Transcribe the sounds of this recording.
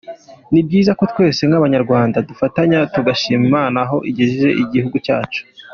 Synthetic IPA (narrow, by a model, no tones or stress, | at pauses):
nib̚ɡiːzako̞t̪we̞ːse̞ŋaβaɲaɾɡwaːndadufataɲatuɡaʃiːmimaːnaɦo̞ʔiɟeʒiʒe̞̰ʔiɟihuɡucaːt͡ʃu̥